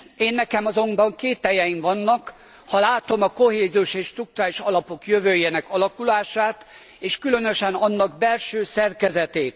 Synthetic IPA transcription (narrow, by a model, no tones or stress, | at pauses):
eːnːɛkɛmɒzo̞mbɒŋkeːt̪ɛjɛjiɱvɒnːɒk | hɒlaːt̪o̞mɒko̞heːziuʃeːʃt̪ruk̚t̪uɾaːliʃɒlɒpo̞kjøvøːjeːnɛkɒlɒkulaːʃaːt̪ | eːʃkylø̞nøʃɛnɒnːɒɡbɛlʃøːsɛrkɛzɛt̪eːt̪